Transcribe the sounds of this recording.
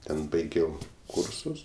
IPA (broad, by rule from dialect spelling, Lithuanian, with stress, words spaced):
ˈtʲɛn bɐɪˈɡʲɛʊ ˈkʊrsʊs